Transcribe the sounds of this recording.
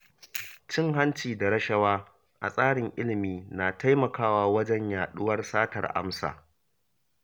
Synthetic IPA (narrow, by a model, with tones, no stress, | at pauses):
t͡ʃɪ˦ŋɦa˦nt͡ʃiː˨da˨ɾɐ˦ʃɐ˦waː˦ | ʔa̰˨sʼaː˦ɽɪ˨ŋʔɪ˦lɪ˨miː˦naː˨tʰa˦jmɐ˨kaː˦waː˦wɐ˦d͡ʒɛ˦ɲjaː˨ɗʊ˦wɐ˦rsaː˦tɐ̰˨rʔa̰˦msa̰ː˨